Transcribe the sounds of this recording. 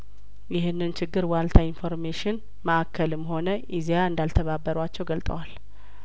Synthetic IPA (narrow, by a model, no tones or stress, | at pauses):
jɪɦɨnːɨnt͡ʃʰɪɡːɨɾwalt̪ʰainfo̞ɾmeʃɪn | məʔakʰːəlɨmho̞nəʔizejaɨnd̪alt̪ʰəβabːəɾwat͡ʃːɛwɡəlt̪ʼəwal